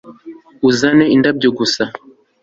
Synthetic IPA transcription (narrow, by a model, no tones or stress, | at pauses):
uzaneindab̚ɟoɡusa